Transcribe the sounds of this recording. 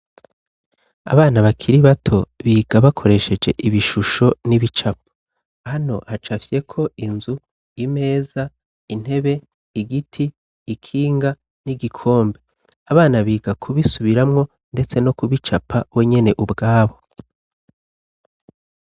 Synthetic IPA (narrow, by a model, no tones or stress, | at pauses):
a̰βaːnaβakʰiɾiβatʰo̞βiːɡaβakʰo̞ɾe̞ʃe̞d͡ʒe̞̰ʔiβiʃuʃo̞niβit͡ʃap̚ḁ | hano̞hat͡ʃafje̞kʰo̞inzu | ime̞ːza | in̥he̞βe̞ | iɡitʰiː | kʰiːŋɡa | niɡikʰo̞ːmbe̞ | aβaːnaβiːɡakʰuβisuβiɾamŋo̞ | nde̞t͡se̞no̞kuβit͡ʃapʰawe̞ɲe̞ne̞ʔubɡaːβo̞